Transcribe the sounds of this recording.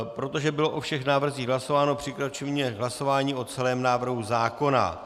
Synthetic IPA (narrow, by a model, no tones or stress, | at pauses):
pɾo̞t̪o̞ʒɛbɪlo̞ʔofʃɛxnaːvr̩ziːɣɦlaso̞vaːno̞pr̝̥ɪkɾat͡ʃɛvɲɛɦlaso̞vaːɲiːo̞t͡sɛlɛːmnaːvr̩ɦuzaːko̞na̰